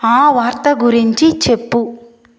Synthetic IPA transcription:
aːʋaːɾt̪ɐɡuɾiɲt͡ʃit͡ʃe̞pːu

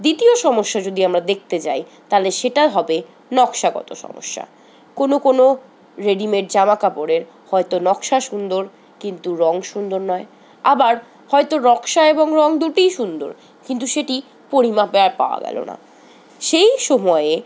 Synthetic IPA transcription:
d̪it̪ioʃɔmoʃːad͡ʑod̪iamɾad̪ek̚ʰt̪et͡ɕa̰j | t̪aleʃeʈaɦɔbe | nɔkʃaɡɔ̰t̪o̰ʃɔ̰mo̰ʃːa̰ | konokono | ɾeɖimeɾd͡ʑamakapoɾeɾ | hɔet̪onɔkʃaʃund̪oɾ | kint̪uɾɔŋʃund̪oɾnɔe | abaɾ | hɔet̪oɾɔkʃaeboŋɾɔŋd̪uʈijʃund̪o̰ɾ | kint̪uʃeʈi | poɾimapeaɾpa̰oa̰ɡɛ̰lo̰na̰ | ʃejʃɔmɔee

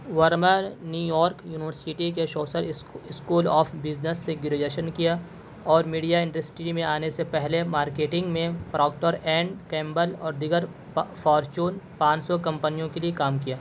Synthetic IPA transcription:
ʋəɾməɾnjuːjɔːɾkjuːnɪʋəɾsɪʈikeʃɔːsəɾɪskuːlɔːpʰbɪznəsːeɡjʊɾed͡ʒeːʃənkija | ɔːɾmiːɖijaɪ̃ɳɖəsʈɾimẽaːnesepɛɦlemaːɾkeːʈɪ̃ŋɡmẽfɾʔɔːkʈoɾɛ̃ːɳɖkɛ̃ːmbəlɔːɾd̪ɪɡəɾ | fʰɔːɾt͡ʃuːnpãːt͡ʃsɔkɐ̃mpənijõkeliekaːmkijaː

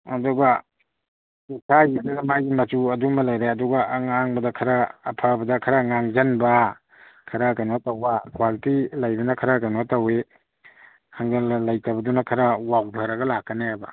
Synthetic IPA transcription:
ɐduɡa | kisʰajidɐɡɐmajɡimɐt͡ʃuɐdumɐlajɾeɐduɡaːŋaŋbɐdakʰɐɾaːpʰabɐdɐkʰaɾaŋaŋd͡ʒɐnba | kʰɐɾakajnotɐwakwalitilajbɐnɐkʰɐɾakajnotɐwe | haŋɡalajtabɐdunakʰɐɾawawbʱaɾɐɡɐlakːɐneabɐ̰

